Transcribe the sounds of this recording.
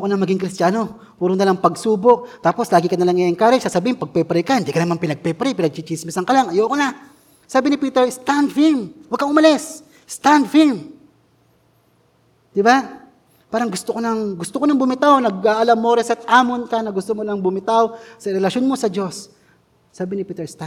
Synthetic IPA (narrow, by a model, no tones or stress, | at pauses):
okonɐŋmɐɡiŋkɾɪst̪jaːno̞ | puːɾʊnɐlaŋpɐɡsuːbo̞ʔt̪aːpo̞slaːɡɪkɐnɐlɐŋɪŋkaːɾɛsasɐbiːhɪnpɐɡ̚pɛpɾɛjkahɪnd̪iːkɐnɐmanpɪnɐɡ̚pɛpɾɛjpɪnɐɡ̚t͡ʃit͡ʃismɪsɐŋkɐlaŋʔɐjoʔkona | saːbɪnɪpiːt̪ɛɹst̪and̪fimwɐɡkɐŋʔʊmɐlɛs | st̪and̪fim | d̪̥ɪba | paːɾɐŋɡʊst̪okonɐŋɡʊst̪okonɐŋbʊmɪt̪awnɐɡaʔɐlamːoɾɛsɐt̪̚aːmonkanɐɡʊst̪omonɐŋbʊmɪt̪awsɐɾɛlɐʃjonmo̞sɐd͡ʒo̞sː | aːbɪnɪpiːt̪ɛɹst̪a